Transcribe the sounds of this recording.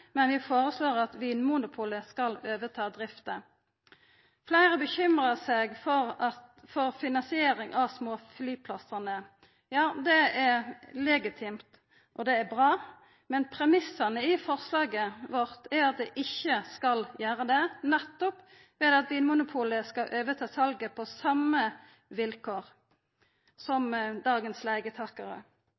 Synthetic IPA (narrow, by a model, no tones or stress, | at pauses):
mɛnʋɪfoːɾəsloːʁɑt̪ʋiːnmunʊpʰuːləskɑløːʋət̪ʰɑːd̪ɾɪft̪ə | flæɪʁəbəçʏmʁəsɛɡfɔʁfɔʁfɪnɑnsɪeːɾɪŋʔɑʋsmoːflyːpʰlɑsənə | jɑːd̪ɛɛɾlɛɡɪt̪ʰɪmt̪ | ʔɔd̪ɛːbʁɑː | mɛnpʰɾɛmɪsɑnəɪfɔʁslɑːɡəʋɔʁt̪ʰæɾɑt̪̚d̪ɛʔɪçːəskɑljæːɾəd̪ɛnɛt̪ːɔp | ʋɛd̪ɑt̪̚d̪ɪnmʊnʊpʰuːləskɑʔøːʋət̪ʰɑːsɑlɡəpʰɔsɑmːə | ʋɪlkʰoːʁ | sɔmd̪ɑːɡənslæɪɡət̪ʰɑːkɑɾə̰